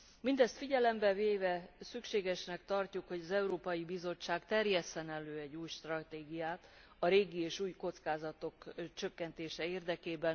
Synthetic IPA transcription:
mind̪ɛst̪fiɟɛlɛmbɛveːvɛsykʃeːɡɛʃnɛkt̪ɒrcukho̞ɟɒzɛuɾoːpɒjibizo̞t͡ʃːaːkt̪ɛrjɛsɛnɛløːɛɟːuːjʃt̪rɒt̪eːɡijaːt̪ | ɒɾeːɡieːʃuːjko̞t̪skaːzɒt̪o̞kt͡ʃø̞kːɛnt̪eːʃɛeːrd̪ɛkeːbɛn

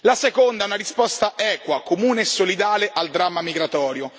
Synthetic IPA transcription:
lasekond̪aɛunaɾispɔst̪aʔɛːkwakomuːneesːolid̪aːleʔald̪ɾamːamiɡɾat̪ɔːɾjo

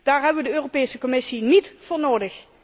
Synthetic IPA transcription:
d̥aːɹɦɛbəʋədəøːropeːsəkɔmɪsinitfʊːɹnoːdəx

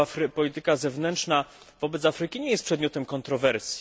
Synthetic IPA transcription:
afɾpɔlʲit̪ɘkazɛvnɛntʂna | vɔbɛt̪safɾɘkʲiɲɛjɛst̪pʂɛd̪mʲɔt̪ɛmkɔnt̪ɾɔvɛɾsʲji̥

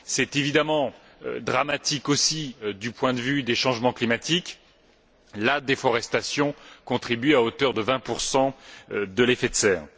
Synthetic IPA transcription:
sɛt̪evid̪amɑ̰̃ | d̪ʁamat̪ikosid̪ypwɛ̃d̪əvyd̪eʃɑ̃ʒmɑ̃klimat̪ik | lad̪efɔʁɛst̪asjɔ̃kɔ̃t̪χibyaot̪œʁd̪əvɛ̃puʁsɑ̃d̪əlefet̪sɛːʁ

